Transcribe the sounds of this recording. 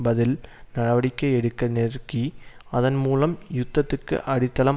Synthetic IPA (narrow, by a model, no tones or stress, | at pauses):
bɐðɪlnɐɽɐʋɐɽɪkʲːɐɛɽɯkːɐnerkiɐðɐnmuːlɐmjʊt̪ːɐt̪ːɯkːɯ̰ʔɐɽɪt̪ːɐlɐ